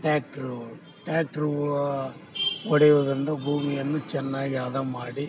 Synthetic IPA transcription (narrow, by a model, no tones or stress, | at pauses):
ʈaːk̚ʈɾu | ʈjaːkʈɾu | ɔɽɐjuʋd̪ɾind̪ɐbʱuːmijɐnːut͡ʃɛnːaːɡiaːd̪ɐmaːɽi